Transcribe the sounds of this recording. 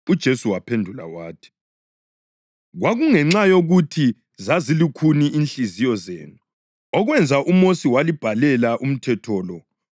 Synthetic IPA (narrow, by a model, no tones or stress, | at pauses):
ud̥ʒ̥ʱesuwapʰendʱula̰waːtʰi̥ | ɣwaɣuŋɛŋ͡ǁajoɣutʰi | zazilikʰuniʔinɬizijɔzḛːnu | ɔɣwɛnd͡zʱaʔumosiwalib̥ʱalɛlaʔum̩tʰɛtʰɔːlɔ